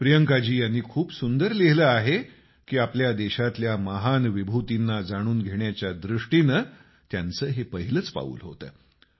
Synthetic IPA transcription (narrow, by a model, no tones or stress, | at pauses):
pɾijəŋkad͡ʑiːjanːiːkʰuːpsund̪əɾliɦləaɦe | kiːapljad̪eɕat̪ljaməɦanʋibʱut̪inːad͡zaɽ̃uːnɡʱeɳjat͡ɕjad̪ɾuʂʈinə | t̪jant͡səːɦepəɦiləːt͡spa̰ṵːlɦo̰t̪ə̰ː